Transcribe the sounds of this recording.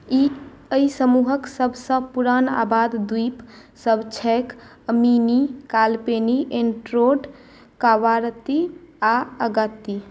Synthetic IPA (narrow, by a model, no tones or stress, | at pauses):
i | əisəmuɦəksəbʱsə̃puɾana̰bad̪d̪ip | səbʱt͡ʃʰɛk | əminikalpeniʔeɳʈɾoɖ | kaʋaɾt̪iaəɡət̪ːi